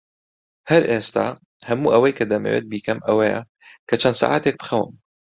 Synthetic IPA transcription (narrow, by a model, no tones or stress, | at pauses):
hɐɾʔeːst̪a̰ː | hɐmuːʔɐwɐjkɐd̪ɐmḛːwḛːt̪̚biːkɐmɐwɐjɐ̰ | kɐt͡ʃʰɐnd̪̥sa̰ːʕa̰ːt̪eːk̚bɨ̥xɐwɨ̰m